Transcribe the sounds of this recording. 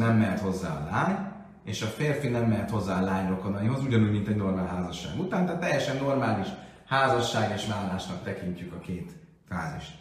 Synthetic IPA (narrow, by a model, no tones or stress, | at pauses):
nɛmːɛt̪ho̞zːa̰ːɒ̰laːɲ | eːʃɒfeːrfinɛmːɛt̪ho̞zːaːɒlaːɲro̞ko̞nɒjiɦo̞zuɟɒnuːɟmint̪ɛɟno̞rmaːlɦaːzɒʃːa̰ːɡut̪aːnt̪aːt̪ːɛjːɛʃɛnːo̞rmaːliʃ | haːzɒʃːaːɡeːʃmaːllːaːʃnɒk̚t̪ɛkiɲcykɒkeːt̪ | fa̰ːzḭʃt̪